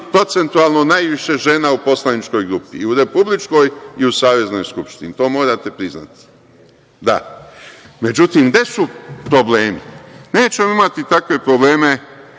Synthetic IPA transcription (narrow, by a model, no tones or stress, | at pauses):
pɾo̞t̪se̞nt̪uaːlˠno̞najʋiʃe̞ʒe̞naupo̞slˠanit͡ʃko̞jɡɾupiuɾe̞publit͡ʃko̞jiusaːʋe̞zno̞̰jskupʃt̪init̪o̞ːmo̞ːɾat̪epɾizna̰t̪i̥ | d̪a̰ | me̞d͡ʒut̪imɡd̪e̞supɾo̞ble̞ːmḭneːt͡ɕemoimat̪it̪akʋe̞pɾo̞ble̞ːme̞